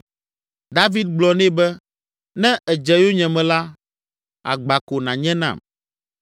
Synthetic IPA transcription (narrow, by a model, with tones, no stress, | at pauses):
d̪a˦vi˦d̪̚ɡ͡blɔ˨nɛ̃˦bɛ˦ | nɛ̃˦ʔɛ˨d͡ʒɛ˨jo˦ɲɛ̃˨mɛ̃˨la˦ | a̰˨ɡ͡ba˨ko˨nã˨ɲɛ̃˦nã̰˨m